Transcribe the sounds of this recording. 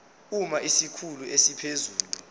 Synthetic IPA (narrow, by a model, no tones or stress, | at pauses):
umaʔisikʰuluesipʰezuːlu